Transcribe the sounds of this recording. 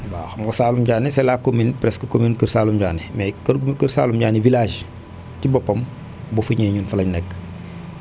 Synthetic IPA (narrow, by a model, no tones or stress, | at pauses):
baxɐmkɐsaːlumɟaːnisɛlakːominpɾɛskəkominkərsaːlumɟaːnimɛkɐkərsa̰ːlumɟaːnivilaːʃ | cibɔpːɐm | bofuɲɛːɲunfɐlɐɲnɛkː